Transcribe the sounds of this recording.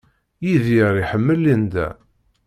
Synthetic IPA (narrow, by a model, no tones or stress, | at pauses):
jiðjəɾˤiħəmːəlːind̪æ̰